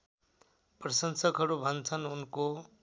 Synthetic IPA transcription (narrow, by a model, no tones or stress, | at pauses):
prʌsʌnsʌkɦʌɾubʱʌnt͡sʰʌnunko